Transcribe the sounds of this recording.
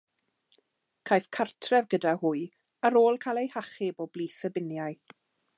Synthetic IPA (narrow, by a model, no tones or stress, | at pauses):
kʰajvkʰartʰrɛvɡədahʊɨ | aɾoːlˠkʰalˠejhaχɪbɔbliːsəbɪnjaj